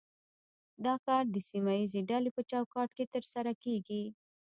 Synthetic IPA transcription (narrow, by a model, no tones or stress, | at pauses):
d̪ɑkɑɾd̪əsimajizeɖalepət͡ʃɑwkɑʈket̪əɾsaɾakeɡi